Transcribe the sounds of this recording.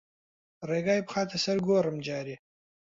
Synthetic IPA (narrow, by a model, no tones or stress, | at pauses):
ɾeɡɑːjpχɑːt̪ʰasɐɾɡoːɾəmd͡ʒɑːɾi